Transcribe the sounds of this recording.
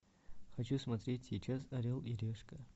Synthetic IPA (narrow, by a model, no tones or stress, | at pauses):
xɐt͡ɕusmɐt̪ɾʲetʲsʲit͡ʃasɐɾʲilˠiɾʲeʂkɐ